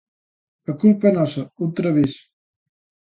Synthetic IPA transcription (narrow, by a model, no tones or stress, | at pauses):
əkulpənɔsəut̪ɾəβis